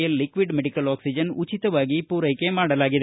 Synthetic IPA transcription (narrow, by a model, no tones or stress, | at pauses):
jɪlːɪkʋɪɖmɛɽɪkːɐloːksɪd͡ʒɐnʊt͡ʃːɪt̪ːɐʋaːɣipuːɾɐɪkːeːmaːɽɐlaːɣɪðɐ